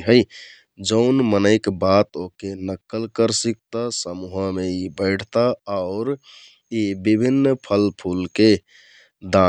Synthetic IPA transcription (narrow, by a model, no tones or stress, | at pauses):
ɦəɪ | d͡ʒəʊnmənəɪkbat̪okenəkːəlkəɾsik̚t̪asəmuɦameibəɪʈʰt̪aaʊɾ | ibibʱinːpʰəlpʰulke | d̪a